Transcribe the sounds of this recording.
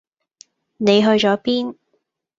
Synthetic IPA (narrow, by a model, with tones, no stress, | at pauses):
ne˨˧jɦɵ˧ɥt͡ʃɔː˨˥piː˥n